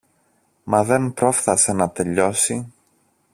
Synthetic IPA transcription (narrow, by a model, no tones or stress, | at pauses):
mɐðe̞npɾo̞fθɐse̞nɐt̪e̞ʎo̞si